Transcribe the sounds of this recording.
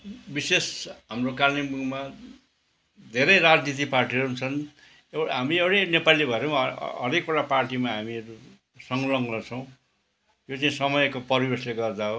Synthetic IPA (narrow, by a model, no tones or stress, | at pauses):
bisesɦamrokarnimuɡma | d̪ʱeɾʌjɾad͡znit̪̬iparʈiɾoɦunt͡sʰʌn | eɦamiewɽenepalilebʱʌɾemaʌ̰ɾekoɽaparʈimaɦamiʌu | sʌŋlʌmlʌt͡sʰʌw̃ | jot͡saĩsʌmʌjkopʌɾibesleɡʌrd̪aɦo